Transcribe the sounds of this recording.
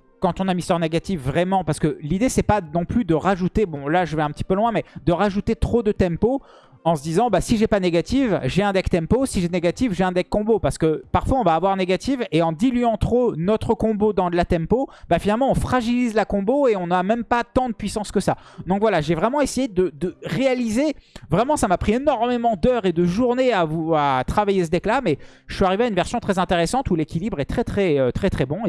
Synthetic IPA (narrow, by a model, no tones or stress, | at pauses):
kɑ̃t̪ɔ̃namist̪waʁneɡat̪ifːʁɛmɑ̃paʁsə̥kəlid̪esɛpanɔ̃plyd̪əʁaʒut̪ebɔ̃laʒəvɛɛ̃pət̪i̥pølwɛ̃mɛd̪əʁaʒut̪et̪χod̪ət̪ɛ̃mpo | ɑ̃səd̪izɑ̃basiʒɛpaneɡat̪ivʒɛɛ̃d̪ɛkt̪ɛ̃mposiʒɛneɡat̪ifʒeɛ̃d̪ɛkkːɔ̃bopaʁsə̥kəpaʁfwaɔ̃vaːvwaʁneɡat̪iveɑ̃d̪ilyɑ̃t̪χonɔt̪χəkɔ̃bod̪ɑ̃lat̪ɛ̃mpobafinalmɑ̃ɔ̃fχaʒilizlakɔ̃boeɔ̃namɛmpat̪ɑ̃d̪əpɥisɑ̃skəsad̪ɔ̃kvwalaʒevʁɛmɑ̃esejed̪əd̪əʁealizevʁɛmɑ̃samapχienɔʁmemɑ̃d̪œʁed̪əʒuʁneavuat̪χavajesəd̪ɛklamɛ | ʒə̥sɥyaʁiveaynvɛʁsjɔ̃t̪χɛzɛ̃t̪eʁesɑ̃t̪ulekʲilibʁɛt̪χɛt̪χɛøt̪χɛt̪χɛbɔ̃